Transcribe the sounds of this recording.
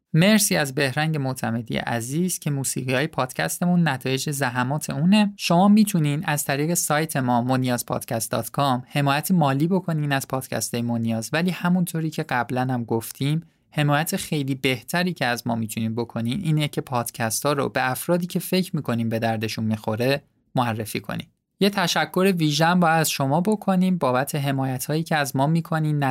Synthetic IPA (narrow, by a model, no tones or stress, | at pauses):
me̞ɾsiːæzbe̞hɾæŋɟe̞mot̪ʰæme̞d̪ḭjḛʔæziːz̥cʰe̞muːsḭːɣiːɒːjepʰɒːd̪̥cʰæ̰st̪e̞munːæt̪ʰɒːjed͡ʒezæɦæmɒːt̪ʰe̞uːne̞ʃo̞mɒːmiːt̪ʰuniːnʔæzt̪ʰæɾiːɣesɒːjt̪ʰe̞mɒːmonijɒːzpʰɒ̰ːd̪̥cʰæst̪̚d̪ɒ̰ːt̪ʰkʰɒːmhe̞mɒːjæt̪ʰemɒːliːbo̞kʰo̞niːnæz̥pʰɒːd̪̥cʰæ̰st̪ʰɒːjemonijɒːzvæliːhæmunt̪ʰoɾiːcʰe̞ɢæblænhæmɡoft̪ʰiːm | he̞mɒːjæt̪ʰe̞xe̞jliːbe̞ht̪ʰæɾiːcʰeæzmɒːmiːt̪ʰuniːmbokʰo̞niːmʔiːnecʰe̞pʰɒːd̪̥cʰæst̪ʰɒːɾo̰be̞æfɾɒːd̪iːcʰe̞fe̞cʰɾmiːkʰo̞niːmbe̞d̪æɾd̪e̞ʃunmiːxo̞ɾe̞ | moærːe̞fiːkʰo̰nḭm | je̞t̪ʰæʃækʰːo̞ɾe̞viːʒeæmbɒːjæd̪æzʃo̞mɒːbo̞kʰo̞niːmbɒːbæt̪ʰe̞ɦe̞mɒːjæt̪ʰhɒːjiːcʰeæzmɒːmiːkʰo̞niːmnæ